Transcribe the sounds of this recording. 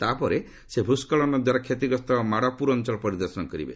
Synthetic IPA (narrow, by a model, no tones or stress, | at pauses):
t̪apɔɾe | sebʱuskɔɭɔnɔd̪waɾakʰet̪iɡɔst̪ɔmaɽapuɾɔnt͡ʃɔɭɔpɔɾid̪ɔɾsɔnɔkɔɾḭbḛ